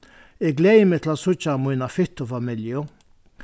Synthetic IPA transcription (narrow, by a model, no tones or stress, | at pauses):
ɪɡlɛjmɪt̪ʰl̩asʊt͡ʃːamʊjnafɪht̪ʊfamɪljʊ